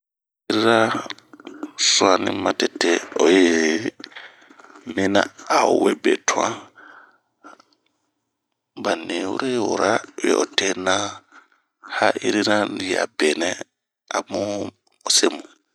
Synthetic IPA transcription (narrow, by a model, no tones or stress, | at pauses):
iɾiɾa | suanḭmatɛtːɛɔjɛ | mina̰aɔwɛbɛ̰tʰuãn | banːewṵɾɛwɔ̰ɾawɛ̰ʔɔtɛna | haʔiɾiɾajɛa̰bɛnɛ | ʔamu | ɔsemu